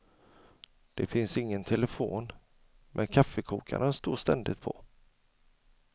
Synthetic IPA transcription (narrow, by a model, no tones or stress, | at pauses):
d̪̥ɛfɪnsɪŋːənt̪ʰɛləfoːn | mʔɛnkʰafːəkʰuːkʰa̰ɾənst̪oːʂt̪ɛnd̪ɪt̪̚pʰɔ